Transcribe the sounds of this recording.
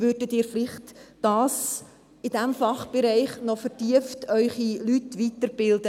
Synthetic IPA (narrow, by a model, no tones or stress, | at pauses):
vʏdətiːɾflɪχtd̥ɑːs | ɪdæmfɑχb̥ɛɾɛɪχnɔfərtiəftʰœʏχilytvitəɾb̥ɪldə